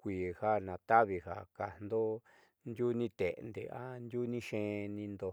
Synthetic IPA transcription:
kʷiː˨ha˦nã˨t̪a˦βi˧ha˨ka˨nd̪o˦ | nd̪ʲu˦nĩ˧t̪e˨˧nd̪ḛ˨ʔa˦nd̪ʲu˦nĩ˦ʃẽ˦nĩ˧nd̪o˧

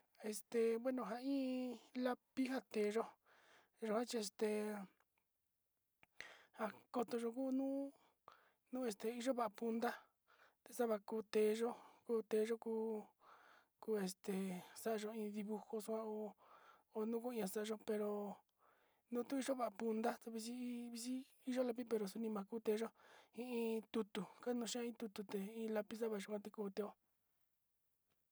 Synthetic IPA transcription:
e˧˨st̪e˨βwe˦nõ˧ɦa˧ĩː˦la˦pi˦ɦa˧t̪e˨ʒo˦ | ʒo˧hã˦t͡ʃi˧e˧st̪e˧ | ha˧ko˧t̪o˧ʒo˧k̬uː˦nũː˦ | nũː˦e˧st̪e˧i˦ʒo˦βa˦ʔa˧pu˧nd̪a˦ | t̪e˧sa˦βa˧kuː˧t̪eː˧˨ʒo˦kuː˦t̪eː˧ʒo˦kuː˧˦ | kuː˦e˨st̪e˨sa˦ʔa˧ʒo˧ĩː˧ði˧βu˧ho˧su˧kʷã˦o˧ | o˧nũ˦ku˦ĩ˧ã˧sa˦a˧ʒo˧pe˧ɾo˧˨ | nũ˦t̪u˦i˧ʒo˦βa˨ʔa˨pu˧nd̪a˦t̪e˧βi˧s̬i˦βi˧s̬i˦ | i˦˧ʒo˦la˧p̬i˦pe˧ɾo˧˨su˧nĩ˧mã˨˧kuː˦t̪e˧ʒo˦ĩ˧ĩ˧t̪u˧t̪u˨ka˦nũ˧ʃi˦ã˦ĩ˧t̪u˧t̪u˧t̪e˨ĩː˦la˧pi˦s̬a˦βa˧ʒo˧˨kʷã˧t̪i˧kuː˧t̪e˧o˦

